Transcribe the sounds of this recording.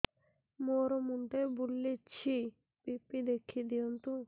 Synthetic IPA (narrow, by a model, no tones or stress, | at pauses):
moɾomuɳʈebulːet͡ɕʰi | bipːid̪ekʰːid̪iont̪u